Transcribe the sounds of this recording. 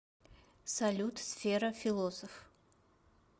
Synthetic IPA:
sɐlʲut̪sfʲeɾɐfʲilˠosəf

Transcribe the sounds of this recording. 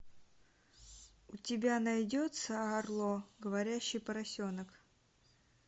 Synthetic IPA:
ʊtʲɪbʲanɐjdʲot̪səɐːrlˠoɡəvɐɾʲæɕːɪjpəɾɐsʲo̞nək

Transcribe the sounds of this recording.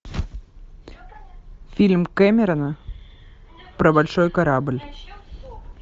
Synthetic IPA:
fʲilʲmkamʲeɾənə | pɾəbalʲʃojkaɾablʲ

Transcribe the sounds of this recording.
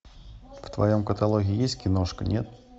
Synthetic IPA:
ft̪vɐ̰jomkət̪alˠoɣʲɪːjesʲtʲkʲɪnoʂkənʲet̪̚

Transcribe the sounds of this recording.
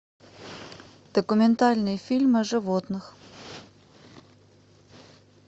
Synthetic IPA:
d̪̥əkʊmʲɪnt̪alʲnɨjfʲilʲmɨʐɨvot̪nɨx

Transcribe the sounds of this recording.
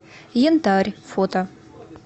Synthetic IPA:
jent̪arʲfot̪ɐ

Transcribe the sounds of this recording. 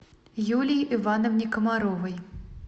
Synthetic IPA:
julʲijivanɐwnʲikɐmaɾɔvɐj

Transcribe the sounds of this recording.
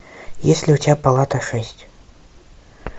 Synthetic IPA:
jɛsʲlʲiutʲpalˠat̪ɐʂɛsʲt͡sʲ

